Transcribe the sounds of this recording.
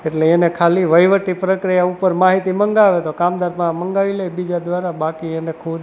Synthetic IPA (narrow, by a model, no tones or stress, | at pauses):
eʈleːnekʰaliʋəjʋəʈipɾəkɾijaupəɾmaɦit̪iməŋɡaʋet̪okamd̪aɾpãməŋɡaʋiləebid͡ʒad̪ʋaɾabakienekʰud̪